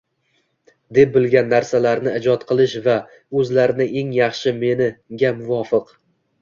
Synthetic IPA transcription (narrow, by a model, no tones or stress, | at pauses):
d̪e̞p̚bɪlɡʲanːaɾsalaɾnɪɪd͡ʒɒt̪qʰɨlˠɪʃva | ɵzlaɾɪnɪʔe̞ŋjɑχʃɪme̞nɪɡʲamʊvɒfɪq